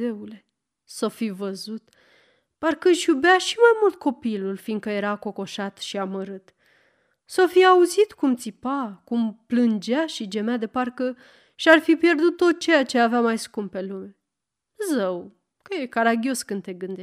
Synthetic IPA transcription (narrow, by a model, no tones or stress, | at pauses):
eule̞ | sofivəzut̪ | parkɨʃjubaʃimajmult̪̚kʰo̞pilulfind̪kəje̞ɾako̞ko̞ʃat̪ʃiaməɾɨt̪ | sofiauzit̪kumt̪sipakumplɨnd͡ʒaʃid͡ʒe̞mead̪e̞parkə | ʃiarfipje̞rd̪ut̪ːo̞t̪t͡ʃe̞jat͡ʃe̞aveamajskumppe̞lume | zəw | kəjekaɾaɡʲio̞skɨnd̪t̪e̞ɡɨnd̪e